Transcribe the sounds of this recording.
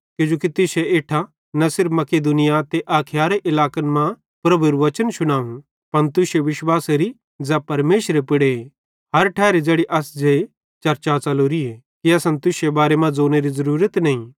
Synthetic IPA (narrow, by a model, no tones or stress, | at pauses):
kjũːd͡ʒoːkit̪ɪseeːʈʰa | nɐsɪɾpmɐkeːd̪unɪjat̪eʔaːkʰɪjaːɾeʔɪlaːkənmã | pɾɐbʱuɾuʋɐt͡ʃənʃʊɽ̃aːũ | pɐnt̪ʊsjeʋɪʃwaːseɾi | d͡ʒapɐɾmeːʃɾepɪɽee | ɦɐɾʈʰɛːɾed͡ʒeːɽiʔɐsd͡ʒe | t͡ʃɐɾt͡ʃat͡ʃɐloːɾie | kiɐsɐ̃nt̪ʊsjebaːɾemãd͡zoːneɾizɐɾuːɾət̪nɐĩ